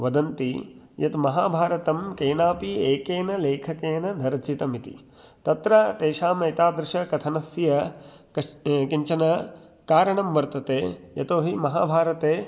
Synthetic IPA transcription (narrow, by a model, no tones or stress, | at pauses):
ʋɐd̪ɐnt̪i | jɐt̪mɐɦaːbʱaːɾɐt̪ɐmkeːnaːpieːkeːnɐleːkʰɐkeːnɐnɐɾɐt͡ʃit̪ɐmit̪ḭ | t̪ɐt̪ɾɐt̪eːʃaːmɐjt̪aːd̪ɾɪʃɐkɐt̪ʰɐnɐsjɐ | kiɲt͡ʃɐnɐ | kaːɾɐɳɐmʋɐɾt̪ɐt̪eːjɐt̪oːɦimɐɦa̰ːbʱaːɾɐt̪eː